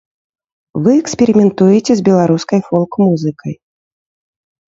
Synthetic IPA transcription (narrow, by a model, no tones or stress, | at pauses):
vɨɛksʲpʲɛɾʲimʲɛnt̪ujɛt͡sʲɛzʲbʲɛlˠaɾuskɐjfɔlˠkmuzɨkɐj